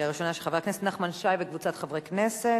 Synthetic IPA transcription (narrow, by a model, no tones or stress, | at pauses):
aʁiʃonaʃeχavʁeknesetnaχmanʃajbekvut͡sat̪χavʁeknese